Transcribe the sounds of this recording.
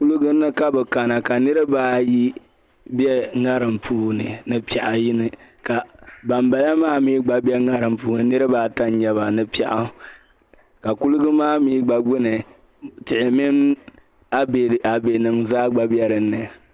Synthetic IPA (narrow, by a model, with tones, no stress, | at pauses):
ku˦lɨ˦ɡɨ˦nːɨ˦ka˦bɛ˨ka˨na˨ka˨nɨ˦ɾɨ˦baː˦ji˦ | bi˦ɛ˦ŋa˦ɾɨ˨mpʰuː˦nɨ˨nɨ˨pi˨a˨ʔa˨ji˦nɨ˨ka˨ba˨mba˨la˦maː˦mi˦ɡ͡ba˨bɛ˦ŋa˦ɾɨ˨mpuː˦nɨ˨nɨ˦ɾɨ˦baː˦ta˦n˦ɲɛ˨βa˨nɨ˦pi˦˨a̰˨ʔa˦ | ka˨ku˦lʊ˦ɡɨ˦maː˦miː˦ɡ͡ba˨ɡ͡bʊ˦nɨ˨ | tɪ˨ʔɪ˨mɪ˦n | a˦be˨a˨be˨nɨ˨ŋzaː˦ɡ͡ba˨bjɛ˦ɾɨ˨nːɨ˨